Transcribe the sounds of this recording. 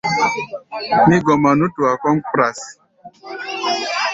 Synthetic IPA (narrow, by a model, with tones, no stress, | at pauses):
mi˦ɡɔ˨ma˨nu˦tu˨a˨kɔ˦mpɾa˨s